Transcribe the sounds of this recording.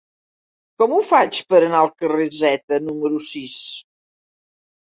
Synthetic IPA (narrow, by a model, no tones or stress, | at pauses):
kɔmufat͡ʃpəɾənaəlˠkərezɛt̪ənuməɾusis